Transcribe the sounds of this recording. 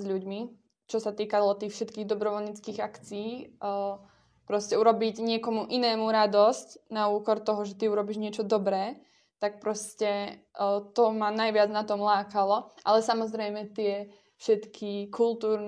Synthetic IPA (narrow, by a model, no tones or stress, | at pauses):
zʎuɟmi | t͡ʃɔsat̪iːkalɔt̪iːxfʃɛt̪kiːɣd̪ɔbɾɔʋɔlɲit͡skiːɣakt͡siiː | pɾɔscɛuɾɔbiɟɲɪɛkɔmuʔinɛːmuɾad̪ɔscnauːkɔɾt̪ɔɦɔʒɛt̪iuɾɔbiʒɲɪɛt͡ʃɔd̪ɔbɾɛː | t̪ak̚pɾɔscɛ | t̪ɔmanajʋɪad͡znat̪ɔmlaːkalɔʔalɛsamɔzɾɛjmɛt̪ɪɛ | fʃɛt̪kʰikʰulˠt̪uːɾn